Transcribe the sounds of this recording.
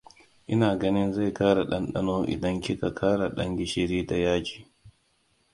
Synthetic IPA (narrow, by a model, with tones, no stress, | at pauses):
ʔɪ˦naː˨ɡɐ˦nɪ˦nza˦˨jkaː˦ɽa˨ɗɐ˦nɗɐ̰˦noː˦ʔɪ̰˨dɐ˦ŋkʲi˦ka˨kʰaː˦ɽa˨ɗɐ˦ŋɡʲɪ˦ʃɪ˨ɾiː˦ta˨jaː˦d͡ʒi̥ː˨